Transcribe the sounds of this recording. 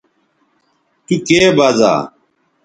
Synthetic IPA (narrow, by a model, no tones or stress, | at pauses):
t̪ukeːbaːza̰ː